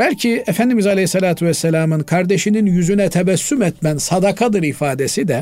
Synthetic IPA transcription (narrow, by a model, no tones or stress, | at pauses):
b̥ælʲcʰiefænd̪imizalʲeisːalaːt̪ʰuvɛsːɛlʲaːmɯnkʰaɾd̪eʃininjyzynɛt̪ʰɛvæsːymɛt̪mænsad̪akʰad̪ɯɾifaːd̪esid̪ɛ